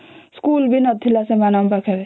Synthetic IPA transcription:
skuːlbʱinɐt̪ʰːilasemanambakʰebe

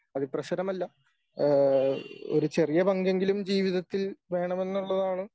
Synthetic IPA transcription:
ɐðiprɐɕɐɾɐmɐlːɐ | o̞̰ɾut͡ɕe̞rijɐbɐŋɡe̞ŋɡilumd͡ʑiːʋiðɐt̪ːilʋe̞ːɳɐme̞nːuɭːɐðaːɳɨ

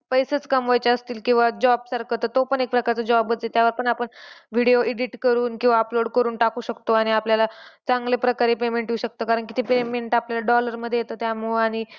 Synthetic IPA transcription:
pəjsət͡skəmʋajt͡ɕaəst̪iːlkĩw̃ʋad͡ʑɔbsaɾkʰət̪ət̪opəɳek̚pɾəkaɾt͡səd͡ʑɔbəet̪jaʋəɾpəɳapəɳʋiɽijoʔiɽiʈkəɾuːnkĩw̃ʋaəploɽkəɾuːnʈakuːɕəkt̪oaɽ̃iapljalat͡saŋɡlepɾəkaɾepemeɳʈɦiuɕək̚t̪okaɾəɳkit̪ʰipemeɳʈapljalaɖɔləɾməd̪ʱːjejet̪ot̪jamuɭaɽ̃i

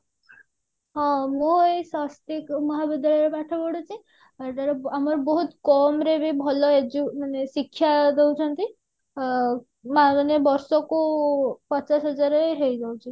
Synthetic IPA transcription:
ɦɔ̃moesast̪ikmɔɦabid̪aɭɾepaʈʰɔbɔɽut͡ʃʰi | aɾt̪aɾɔamɔɾbɔɦut̪kɔmɾebibʱɔlɔed͡ʒumanesikʰːjad̪ewt͡ʃʰɔnt̪i | maanebɔɾsɔkupɔt͡ʃasɦɔd͡ʒaɾeɦejd͡ʒawt͡ʃʰi

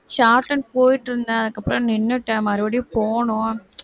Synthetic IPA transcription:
ɕaːrʈːɐɳɖpoːjiʈːiɾund̪aɐðɨkːɐpːɾɐmninːuʈːaːmɐɾuʋɐɽipoːɳua

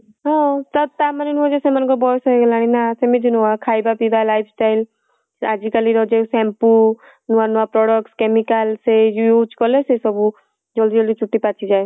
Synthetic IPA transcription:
ɦɔ̃t̪ət̪aməninuõd͡ʒesemənkobɔːt̪səɡɐlaːɽ̃inasemɪd͡ʒinuakʰaːibapibalaːipʰsʈaːɪl | a̰d͡ʒikəliɾoːd͡ʒesɛ̃ːmpu | nuanuapɾɔːɽəkskemikəlsejut͡ʃkɔlesesəbu | d͡ʒold̪ioːld̪it͡ʃʰʊʈːipaːt͡ʃʰid͡ʒaːe

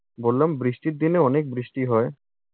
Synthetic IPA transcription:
bolːambɾiʃʈiɾd̪ineɔnek̚bɾiʃʈiɦɔe

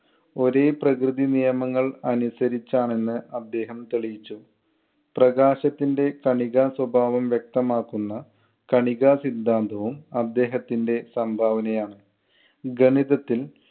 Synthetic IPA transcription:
o̞ɾe̞ːprɐkrɨðinijɐmɐŋːɐɭɐnusɐɾit͡ɕːaːɳe̞nːɨɐd̪ːe̞ːɦɐmt̪eɭijit͡ɕːu | prɐɡaːɕɐt̪ːinde̞kɐɳiɣaːswɐbʱaːʋɐmʋjek̚t̪ɐmaːkːunːɐ | kɐɳiɣasid̪ʱːaːnd̪ʱɐʋumɐd̪ːe̞ːɦɐt̪ːinde̞sɐmbʱaːʋɐnɐjaːɳɨ | ɡɐɳiðɐt̪ːil

